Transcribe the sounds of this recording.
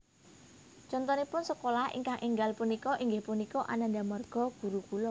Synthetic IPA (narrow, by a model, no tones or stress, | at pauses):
t͡ʃɔnt̪ɔnipʊnsəkolahḭŋkaŋʔiŋɡalpunikɔʔiŋɡɪhpunikɔʔa̰nand̪amərɡ̥ɔ̤ɡ̥ṳɾukulɔ